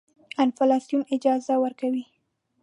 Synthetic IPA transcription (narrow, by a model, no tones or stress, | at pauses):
anfalɑsjumɪd͡ʒɑzawəɾkawi